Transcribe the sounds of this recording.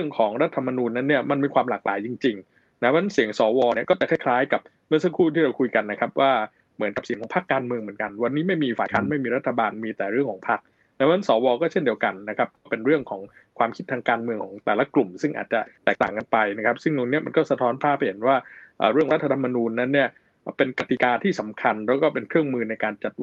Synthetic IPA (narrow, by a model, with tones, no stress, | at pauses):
ɾɯ˥˩əŋkʰɔː˩˦ŋɾa˦˥t̪ʰːa˧mːa˧nuː˧nːa˦˥nːi˥˩ɐma˧nmiː˧kʰwaː˧mlaː˨˩k̚lʔa̰ː˩˦jt͡ɕi˧ŋt͡ɕi˧ŋ | na˦a˦˥a˧˦na˦˥nsi˨˩˦əŋsɔː˩˦wɔː˧ni˥˩ɐkɔ˥˩t͡ɕa˨˩kʰa˥˩kʰlaː˦˥jka˨˩p̚ | mɯ˥˩əsa˦˥kʰuː˥˩t̪ʰiː˥˩ɾa˧wkʰu˧jka˧nːa˦˥kʰa˦˥p̚waː˥˩ | mɯ˩˦nka˨˩p̚si˩˦ŋʰɔː˨˩˦pʰa˦˥˩kːaː˧nmɯ˧əŋmɯ˩˦ənka˧nwa˧nːiː˦˥ma˥˩jmiː˧faː˨˩jkʰaː˦˥nma˥˩jmiː˧ɾa˦˥t̪ʰːa˧baː˧nmiː˧t̪ɛː˨˩ɾɯ˥˩əŋkʰɔː˩˦ŋpʰa˦˥˩k̚ | lɛ˦˥wʰna˦˥nsɔː˩˦wɔː˧kɔː˥˩t͡ɕʰe˥˩ndi˧əwka˧nːa˦˥kʰɾa˦˥p̚kɔː˥˩pe˧nɾɯ˥˩əŋkʰɔː˩˦ŋ | kʰwaː˧mkʰi˦˥t̪ʰːaː˧ŋkaː˧nmɯ˧əŋkʰɔː˩˦ŋt̪ɛː˨˩la˦˥klu˨˩msɯ˥˩ŋʔa̰˨˩t̪̚t͡ɕa˨˩t̪ɛː˨˩k̚t̪a̰ː˨˩ŋka˧npa˧jna˦˥kʰa˦˥p̚sɯ˥˩ŋt̪u˧ŋni˦˥ɐma˧nkɔː˥˩sa˧t̪ʰɔː˦˥npʰaː˥˩ha˧˩jhe˩˦nwaː˥˩ʔə̰ː˨˩ɾɯ˥˩əkt̪ʰːa˧t̪ʰa˧mːa˧nuː˧nːa˦˥nːi˥˩ɐ˩ | pe˧nka˧t̪i˨˧kaː˧t̪ʰiː˥˩sa˩˦mkʰa˧npʰɛː˦˥wkɔː˥˩pe˧nkʰɾɯ˥˩əŋmɯː˧na˧jkaː˧nt͡ɕa˨˩t̪̚